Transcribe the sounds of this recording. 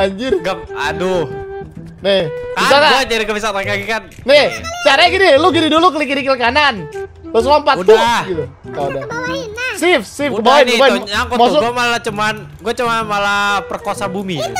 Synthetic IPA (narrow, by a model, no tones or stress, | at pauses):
aɲd͡ʒɪrɡapadu | nɪhbisakaɡad͡ʒaɾikabisat̪ankaɡikan | nɪht͡ʃaɾaɡidiluɡididuluk̬əlikiɾikilkanan | ləs̬ampat̪ːuɡit̪u | ada | sɪfsɪfkəbawɪnkəbawɪakɔmas̬ʊɡuamalat͡ʃuman | ɡuat͡ʃumanmalapərkosabumit̪u